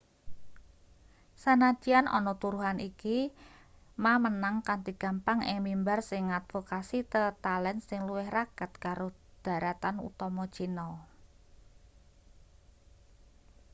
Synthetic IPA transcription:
sanad̥ianʔɔ̰nɔt̪uɾuɦanʔiki | mamənaŋkant̪iɡ̥a̤mpaŋɪ̰ŋmimbarsɪŋat̪̚fokasit̪ət̪alɛnsɪŋluwɪhraɡ̥a̤t̪kaɾod̪̥a̤ɾat̪anṵt̪ɔmɔd̥t͡ʃinɔ

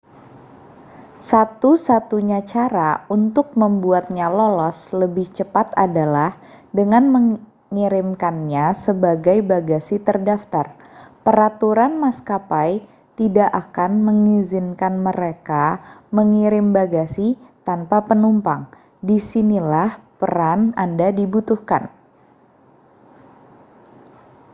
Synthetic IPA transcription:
sat̪usat̪uɲat͡ʃaɾaunt̪ʊk̚məmbuat̪̚ɲalɔlɔsləbɪht͡ʃəpat̪a̰dalah | dəŋanməŋ | ŋiɾɪmkanɲasəbaɡajbaɡasit̪ərdaft̪ar | pəɾat̪uɾanmaskapaj | t̪idaʔakanməŋizɪnkanməɾekaməŋiɾɪmbaɡasit̪anpapənumpaŋ | disinilahpəɾanandadibut̪uhka̰n

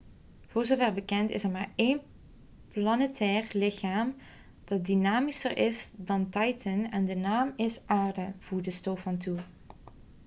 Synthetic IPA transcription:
v̥ʊːɹzoːvɛɹbəkɛntɪ̰sɛɹmaːɹen | plɑnətʰɛːrlɪxaːm | d̥ɑt̚dinaːmisəɹʔɪsdɑntɑjtʰənɛndənaːmɪsʔaːɹdəv̥uːɹdəstowfɑntu

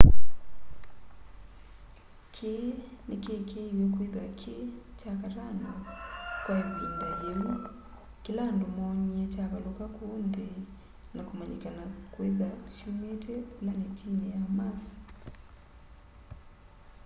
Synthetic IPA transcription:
kʰenekekʰeiwekweðakʰet͡ʃakaɾanakwaiindajemu | kilandomɔɲɛt͡ʃakalokakundɛ | nakumaɲḭkanakwɛðasjumetʰɛkulanetinɛamas

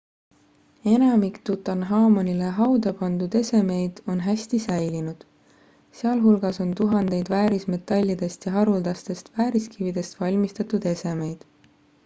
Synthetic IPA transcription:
e̞nɑmikt̪ut̪ːˑɑnɦɑːmonʲile̞ɦɑwd̪ɑpɑnd̪̥ud̪̥e̞se̞me̞jd̪̥o̞nɦæsʲt̪isæjlinud̪̥ | seɑlɦulɡ̥ɑso̞nt̪uɦɑnd̪̥e̞jd̪̥væːɾisme̞t̪ːˑɑlʲːid̪̥e̞st̪jɑɦɑɾuld̪̥ɑst̪e̞st̪væːɾiskivid̪̥e̞st̪vɑlʲmist̪ɑt̪ud̪̥e̞se̞me̞jd̪̥

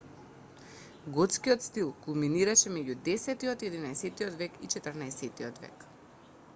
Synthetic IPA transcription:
ɡɔt̪skiɔt̪st̪ilˠkulˠminiɾaʃɛmɛɟud̪ɛsɛt̪iɔt̪iɛd̪inaɛsɛt̪iɔt̪vɛkit͡ʃɛt̪əɾnaɛsɛt̪iɔt̪vɛ̰k

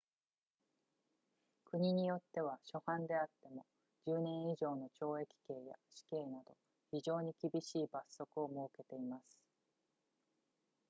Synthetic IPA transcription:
kɯ̟ɲ̟iɲ̟ijo̞t̪ːe̞β̞aɕo̞hãnd̪e̞at̪ːe̞mo̞ | d͡ʑɨːnẽ̞ɰ̃iʑo̞ːno̞t͡ɕo̞ːe̞kʲi̥ke̞ːja̰ɕi̥ke̞ːnad̪o̞ | çiʑo̞ːɲ̟ikʲibʲiɕiːbasːo̞kɯ̟o̞mo̞ːke̞t̪e̞imasɨ̥

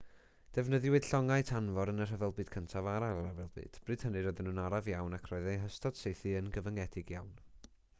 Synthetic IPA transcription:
d̥ɛvnəðɨwɨd̥ɬɔŋaɨtʰanvɔɾənər̥əvɛlˠbɨːd̥kʰəntʰavaɾaavɛlˠbɨ̰d̥b̥rɨːd̥hənɨɾɔðɪnuːnaɾavjawnakʰrɔɨðejɦəstɔd̥sejθɨənɡəvəŋɛd̥ɪɡjawn

